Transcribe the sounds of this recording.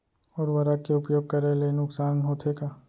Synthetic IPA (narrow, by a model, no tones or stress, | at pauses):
ɔːɾʋɐɾakeʊpjoːɡ̚kɐɾelenʊksaːnɦoːt̪ʰeka